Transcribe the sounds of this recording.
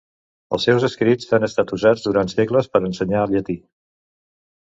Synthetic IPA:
ə̰lˠsːɛwzəskɾid͡zanəst̪at̪uzad͡zd̪uɾant̪sɛkləspəɾənsəɲaəlˠʎət̪i

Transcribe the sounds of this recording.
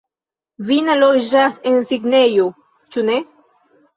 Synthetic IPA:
vinaloʒasensiɡnejo | t͡ʃune

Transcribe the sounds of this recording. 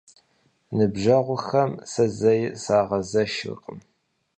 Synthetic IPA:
nɨbʒɐʁʷʊxɐmsɐzɐjsaːʁɐzɐʃɨ̰qʼəm

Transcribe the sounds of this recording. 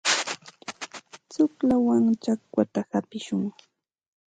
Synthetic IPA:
t͡sʊklawaŋt͡ʃakwat̪ahapɪʃʊŋ

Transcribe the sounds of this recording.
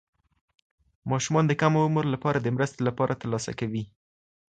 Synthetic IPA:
mɑʃumɑnd̪əkamʊməɾlapɑɾad̪əmɾəst̪elapɑɾʔat̪əɾlɑsa̰kawi

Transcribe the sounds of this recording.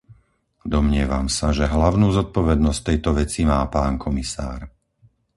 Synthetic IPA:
d̪ɔmɲɪɛʋamsaʒɛɦlaʊnuːzɔt̪̚pɔʋɛd̪nɔst̪ːɛjt̪ɔʋɛt͡simaːpaːnkʰɔmisa̰ːɾ

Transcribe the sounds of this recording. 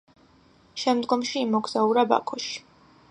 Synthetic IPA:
ʃɛmd̪ɡɔmʃiːmɔɡz̥auɾaba̰kʰɔʃi̥

